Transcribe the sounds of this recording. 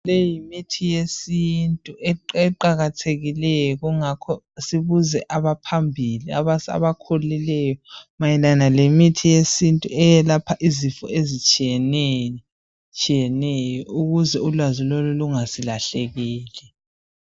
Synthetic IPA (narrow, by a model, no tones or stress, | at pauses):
lejimitʰijesintʼuʔɛɛǃaɣatʰeɣilɛjɔɣuŋakʰɔ | siβuzɛʔaβapʰambʱiliaβasa̰βakʰolilɛjɔmajɛlanalemitʰijesintʼuɛjɛlapʰaʔizifɔ̰ezit͡ʃʼiɛnɛ | t͡ʃʼijɛnɛjɔuɣuzɛulwaziloluluŋasilaɬeɣiːlɛ